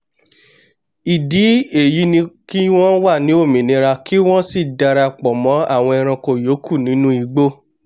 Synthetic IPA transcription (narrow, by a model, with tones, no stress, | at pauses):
i˨di˨˦e˦˨ji˨˦nĩ˧ki˦w̃ɔ̃˦wa˦˨nĩ˨˦o˦˨mĩ˨nĩ˨˧ɾa˧ki˦w̃ɔ̃˦si˦˨da˧ɾa˧k͡pɔ˨mɔ̃˨˦a̰˦˨w̃ɔ̃˧ɛ˧ɾ̃ã˧ko˧˨jo˨˦kʰu˦˨nĩ˨˦nũ˦i˧ɡ͡bo˦